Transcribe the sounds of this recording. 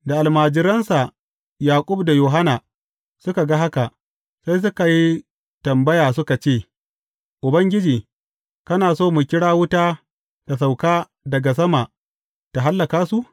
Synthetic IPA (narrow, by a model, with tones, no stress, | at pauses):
da˨ʔa˨lmaː˨d͡ʒɪ˨ɾɐ˦nsa˨ | jaː˨kʷʼʊ˦bda˨joː˨ɦa˦na˨ | sʊ˦ka˨ɡa˦ɦa˦ka˨ʔ | sa˦js̬ʊ˦ka˨ji˦ | tɐ˨mbɐ˦jaː˨sʊ˦ka˨t͡ʃeː˦˨ | ʔʊ˨bɐ˦ŋɡʲɪ˦d͡ʒiː˨ | kɐ˦naː˨soː˦mu˨kʲɪ˦ɽaː˦wʊ˦taː˦ | ta˨s̬a˨wkaː˦ | dɐ˨ɡa˨s̬ɐ˦ma˨ | ta˨ɦa˦lːɐ˨kaː˦su˦ʔ